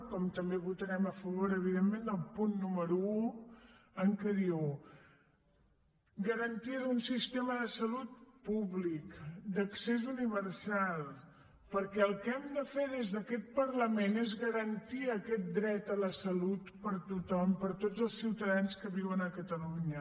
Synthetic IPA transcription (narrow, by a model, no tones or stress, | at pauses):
kɔmt̪əmbeβut̪əɾɛməfəβoɾəβ̞iðemːend̪əlˠpunːuməɾuu | ənk̪əɾiow | ɡəɾənt̪iəðunsist̪eməðəsəlut̪̚puβlikd̪əksezuniβ̞əɾsalˠ | pəɾkɛəlˠkɛmd̪əfeðezðəkɛt̪̚pərləmenezɣəɾənt̪iəkɛt̪̚d̪ɾɛt̪ələsəlut̪pəɾt̪ut̪ɔmpəɾt̪od͡zəlˠsiwt̪əðanskəβiwənəkət̪əluɲə